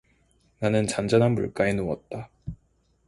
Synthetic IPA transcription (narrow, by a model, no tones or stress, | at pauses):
nanɯnt͡ɕand͡ʑanɦanbṵɭk͈ainowʌ̰t̚t͈a